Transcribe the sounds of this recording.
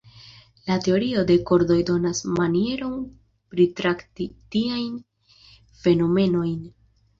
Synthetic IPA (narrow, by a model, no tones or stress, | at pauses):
late̞oɾio̞de̞ko̞ɾdo̞jdo̞nasmanie̞ɾo̞n | pɾitɾaktitiajn | fe̞no̞me̞no̞jn